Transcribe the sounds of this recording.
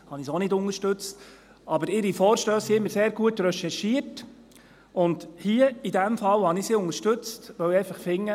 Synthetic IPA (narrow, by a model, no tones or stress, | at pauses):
hɑnisonɪdʊnəɾʃtɵt͡st | ɑbəɾɪɾifɔːɾʃtøːssiɪmːəɾseːɾɡuətɾœʃɛʃiːət | ʊndhiəidæmfɑlhɑnisiʊŋəʃtɵt͡stʋœwɛɪfɑχfɪŋːə